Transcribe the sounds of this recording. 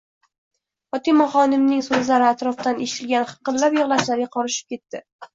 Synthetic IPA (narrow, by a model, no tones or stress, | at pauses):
ɒt̪imɒχɒnɪmnɪŋsozlaɾɪat̪ɾɒft̪anʔeʃɪ̥t̪ʰɪlɡʲanχɨ̥qɨllapjɨʁlˠaʃlaɾɡʲaqʰɒɾɪʃɪ̥p̚kʲe̞t̪ːɪ